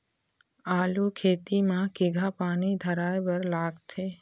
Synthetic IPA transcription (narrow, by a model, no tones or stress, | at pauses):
aːlukʰeːt̪imãkɪɡʱapaːnid̪ʱəɾaːjbəɾlaːɡt̪ʰeː